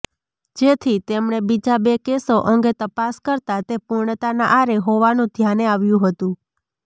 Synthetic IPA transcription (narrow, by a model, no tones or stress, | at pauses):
d͡ʒet̪ʰit̪emɳebid͡ʒabekesoʔəŋɡet̪əpaskəɾt̪at̪epuɾɳət̪anaʔaɾeɦoʋanũd̪ʱjaneaʋjũɦət̪ũ